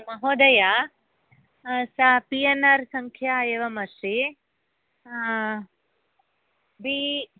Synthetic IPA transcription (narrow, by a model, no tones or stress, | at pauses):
mɐɦoːd̪ɐja | sapienɐɾsɐŋkʰjaːjeʋɐmɐʃɾi | bi